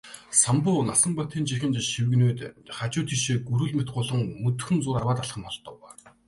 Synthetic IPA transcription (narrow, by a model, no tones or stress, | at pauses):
sampʊːnasə̆ɴpɔt̪ʰiːnt͡ɕixɘ̆nt͡ɕiʃiwɘ̆ɣnuːt̪χat͡ɕʊːt̪ʰiʃeːɡuɾɵ̆ɮmet̪̚ɢʊːɮə̆ŋmɵt̪xɵ̆nt͡sʊːɾarwaːt̪aɮχə̆mɔɮt̪ɞ̆w